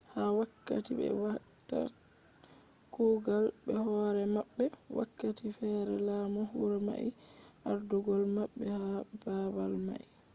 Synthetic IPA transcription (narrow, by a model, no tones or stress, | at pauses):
hawakːa̰tibɛ̰wa | ta̰ | kuɡalbɛhɔɾɛmaɓːɛ | wa̰kːatifɛɾɛlaːmɔhuɾama̰ʔi | aɾdɔɡɔlmaɓːɛhababalma̰ʔi